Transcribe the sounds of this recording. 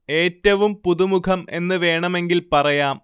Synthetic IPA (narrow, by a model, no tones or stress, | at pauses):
e̞ːtːɐʋumpuðumukʰɐme̞̰nːɨʋe̞ːɳɐme̞ŋɡilpɐrɐjaːm